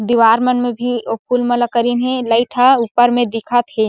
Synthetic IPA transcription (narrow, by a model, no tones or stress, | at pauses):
d̪iʋaːɾmənmebʱiopʰulmələkəɾinɦeləɪʈʰaupːəɾmẽd̪ikʰət̪ɦe